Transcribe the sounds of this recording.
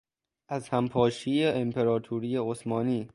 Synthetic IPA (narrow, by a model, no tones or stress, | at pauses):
ʔæzhæmpʰɒːʃiːjeempʰe̞ɾɒːt̪ʰuɾiːjeosmɒːniː